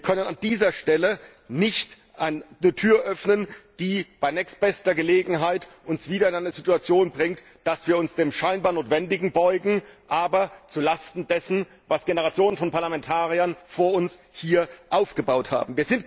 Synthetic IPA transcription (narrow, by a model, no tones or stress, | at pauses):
viːɐkʰœnənandiːzɐʃtɛlə | nɪçt | ʔannətʰyːɐʔœfnənd̥iːb̥aɪnɛːkst̚b̥ɛstɐɡəleːɡŋ̩ɦaɪtʔʊnsv̥iːɾɐɪnʔaɪnɐzituat͡sjoːnbʁɪŋt | d̥asv̥iːɐʊnsd̥eːmʃaɪnbaːɐnoːtv̥ɛndɪɡŋ̩bɔʏɡŋ̩ʔaːbɐt͡sulastn̩dɛsn̩ | vasɡ̥enəʁat͡sjoːnənfɔnpʰaɐlamɛntʰaːʁiɐnfoːɐʊns | hiːɐʔaʊfɡ̥əbaʊtha̰ːbm̩viːɐzɪnt